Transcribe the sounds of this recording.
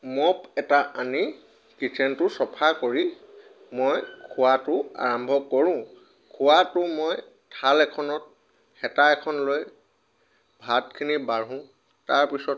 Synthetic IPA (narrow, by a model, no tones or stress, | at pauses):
mɔpɛtaani | kisʰɛntʊsɔpʰakoɹi | mojkʰʊwatʊa̰ɹɔmbʱɔkɔɹʊ̃ | kʰʊwatʊmoj | tʰalɛkʰɔnɔt̚ | xɛtaɛkʰɔnloj | bʱatkʰinibaɹɦuʊ̃ | taɹpisɔt